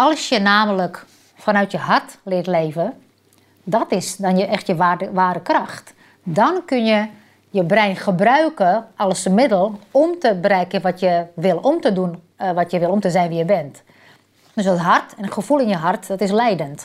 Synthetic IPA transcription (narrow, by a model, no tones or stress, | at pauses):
ʔɔlˠsjənaːmələk | fɔnœɥtjəɦartlɪətleːvə | dɔtɪsdɔnjəʔɛxtjəʋaːɾəkraxt | dɔnkønjə | jəbrɛjnxəbrœɥkəʔɔlˠəsəmɪdəlˠɔmtəbrɛkəʋɔtjəʋɪlˠɔmtədun | ʋɔtjəʋɪlˠomtəzɛjnʋijəbɛnt | d̥øsətɦartɛnəxəfulˠɪnjəɦartdɔtɪs̬lɛjdənt